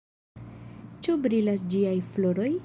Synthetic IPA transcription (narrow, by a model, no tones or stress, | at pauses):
t͡ʃubɾilasd͡ʒiajfloɾoj